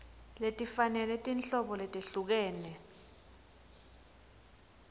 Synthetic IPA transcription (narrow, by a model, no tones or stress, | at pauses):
letʼifanɛlɛtʼinɬʼɔɓɔletʼeɬuk̬ɛːnɛ